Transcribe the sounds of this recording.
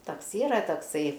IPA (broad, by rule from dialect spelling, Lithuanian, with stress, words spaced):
ˈtɐks ˈiːrɐ tɐkˈsɐɪ